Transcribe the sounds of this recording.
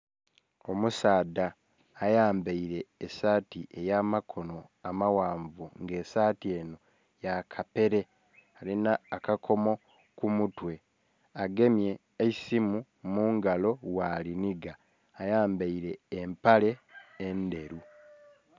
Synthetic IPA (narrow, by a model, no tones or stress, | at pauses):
o̞musaːdaː | jaːmbeiɾe̞ːsaːtiʔe̞jaːmakʰo̞no̞amawaːɱvuŋɡe̞ːsaːtie̞ːno | jakʰape̞ɾe̞ | alinaːkakʰo̞mo̞ | kumutwe̞ | aɡe̞mje̞ː | simu | muːŋɡalo̞waliniɡaː | jaːmbeiɾe̞ːmpale̞ːnde̞ɾu